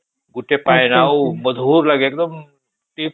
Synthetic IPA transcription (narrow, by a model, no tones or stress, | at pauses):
ɡuʈʰepajnawməd̪ʱuːɾlaɡeek̚d̪əm | ʈ̪i